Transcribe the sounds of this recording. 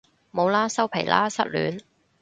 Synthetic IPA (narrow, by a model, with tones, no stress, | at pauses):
mo˨˧wlaː˥sɐ˥wpʰḛ˨˩jlʔa̰ː˥sɐ˥t̚ly̰ː˨˥n